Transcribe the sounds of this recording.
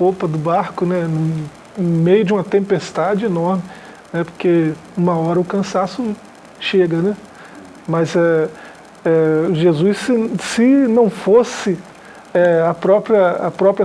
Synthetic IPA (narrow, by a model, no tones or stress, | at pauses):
popɐd̪ʊbaɾkʊnɛnʊ | mejʊd͡ʒɪũmɐt̪ẽmpest̪ad͡ʒɪenɔɾmɪ | nɛpo̥ɾkeũmɐɔɾɐʊkɐ̃sasʊ | ʃeɡɐnɛ | mɐzɛ | ɛʒezusɪsɪnɐ̃w̃fosɪ | ɛɐpɾɔpɾjɐɐ̰pɾɔpɾjɐ